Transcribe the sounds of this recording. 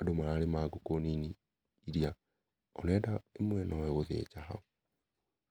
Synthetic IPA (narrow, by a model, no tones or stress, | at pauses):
adomaalemaɡokonini | iɾia | ɔnɛdaemwɛnɔwɛɣoðḛt͡ʃaɦa̰u